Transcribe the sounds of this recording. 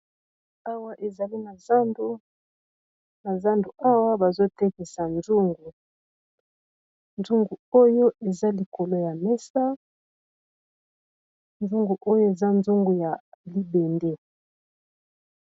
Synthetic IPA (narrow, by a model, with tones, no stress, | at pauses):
a˦wa˦ʔe˨za˨li˦na˨za˦ndo˦ | na˨za˦ndu˨ʔa˦wa˦ba˨zo˦tɛ˦ke˨sa˨nzu˦ŋɡu˨ | nzu˦ŋɡu˨o˦jo˦ʔe˨za˦li˨ko˨lo˦ja˨mɛ˦sa˦ | nzu˦ŋɡu˨ʔo˦jo˦e˨za˦nzu˦ŋɡu˨ja˨li˦be˨nde˦